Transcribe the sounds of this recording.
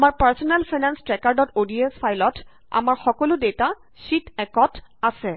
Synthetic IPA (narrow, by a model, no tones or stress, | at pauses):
amaɹpaɹsɔnɛlpʰajnanstɹɛkaɹdɔtodiespʰajlɔt | a̰maɹxɔkɔlʊdeta | sitɛkɔtasɛ